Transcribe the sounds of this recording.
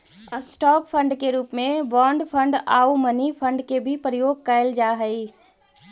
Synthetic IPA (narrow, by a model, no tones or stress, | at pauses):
əsʈɔːppʰə̃ɳɖkeɾuːpmẽbɔɳɖpʰəɳɖa̰umənipʰə̃ɳɖkebʱipɾəjoːɡ̚kəeld͡ʒaɦəi